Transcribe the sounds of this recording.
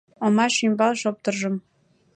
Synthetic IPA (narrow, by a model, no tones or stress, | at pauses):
ŏmɑʃymbɑlˠʃop̚t̪ɤ̆rʒɤ̆m